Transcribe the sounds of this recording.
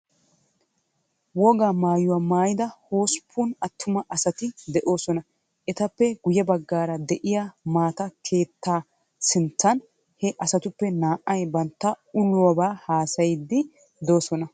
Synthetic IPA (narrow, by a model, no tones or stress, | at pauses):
wɔɡaːmaːjʊwaːmaːjɪd̪ɐho̞ːspʰːunɐt̪ʰːʊmɐʔɐsɐt̪ɪd̪ɛʔo̞ːsɔnɐ | ʔɛt̪ɐpːɛɡʊjɛbɐɡːaːɾɐd̪ɛʔɪjamaːt̪ɐkʰe̞ːt̪ːaː | sɪnt̪ːɐn | hɛʔɐsɐt̪ʊpːɛnaːʔːɐjbɐnt̪ːɐ | ʊlʊwɐbaːhaːsɐjɪd̪ːɪ | d̪o̞ːsɔnɐ